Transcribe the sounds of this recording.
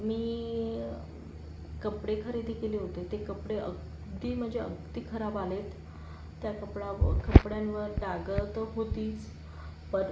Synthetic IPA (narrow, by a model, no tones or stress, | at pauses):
miː | kəpɽekʰəɾid̪ʱikeleɦot̪et̪ekəpɽeʔəɡ | d̪iːm̤əd͡ʑeə̰ɡd̪iːkʰəɾabalet̪ː | jakəpɽakəpɽjãnʋəɾɖaɡəlt̪ɦot̪iːt͡s | pəɾ